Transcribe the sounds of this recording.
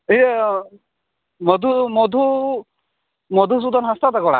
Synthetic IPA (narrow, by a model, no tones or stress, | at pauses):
ie | mɔd̪ʱumɔd̪ʱu | mɔd̪ʱus̬ud̪ɔnɦast̪ɔt̪akɔɽa̰